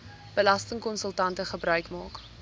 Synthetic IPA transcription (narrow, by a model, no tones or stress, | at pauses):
b̥əlɐstəŋkɔnsəlˠtɐntəχəbɾœɥkmɑːk